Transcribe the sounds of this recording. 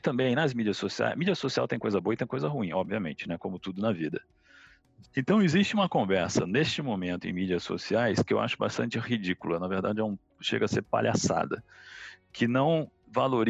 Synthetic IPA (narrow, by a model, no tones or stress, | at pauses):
t̪ɐ̃mbẽj̃nɐzmid͡ʒiɐsːosia̰jmid͡ʒiɐsosiawt̪ẽj̃kojzɐboɐit̪ẽj̃kojzɐɦuĩɔbviɐmḛ̃nt͡ʃɪnɛkõmʊt̪ud̪ʊnɐvid̪ɐ | ẽnt̪ɐ̃w̃ɪzist͡ʃɪũmɐkõvɛɾsɐ̰nest͡ʃɪmõmẽnt̪ʊẽj̃mid͡ʒiɐsːo̰siajskɪḛwʔa̰ʃʊba̰st̪ɐ̃nt͡ʃɪhid͡ʒikʊlɐnɐveɾd̪ad͡ʒɪɛũ | ʃḛɡɐseɾpa̰ʎa̰sa̰d̪ɐ̰ | kʰɪnɐ̃w̃ | valoɾ